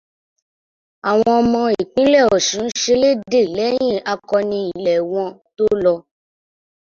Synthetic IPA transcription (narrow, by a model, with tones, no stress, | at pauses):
a˨w̃ɔ̃˧ɔ˧mɔ̃˧i˨k͡pĩ˦lɛ˦˨ɔ˨ʃũ˨˦n̩˦ʃe˧le˦de˦˨lɛ˨˦j̃ĩ˦˨a˧kɔ˧nĩ˧i˨lɛ˨w̃ɔ̃˧to˦lɔ˧